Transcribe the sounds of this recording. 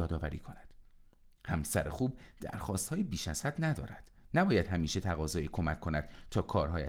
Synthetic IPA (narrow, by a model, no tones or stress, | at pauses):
ɒːd̪ɒːvæɾḭːkʰo̞næd̪̥ | hæmsæɾexuːb̚d̪̥æ̰ɾxɒːst̪hɒːjebiːʃæz̥hæd̪næd̪ɒːɾæd̪̥næbɒːjæd̪̥hæmiːʃet̪ʰæɣɒːzɒːjikʰo̞mæcʰːo̞næd̪̥t̪ʰɒːkʰɒːɾɦɒːjæ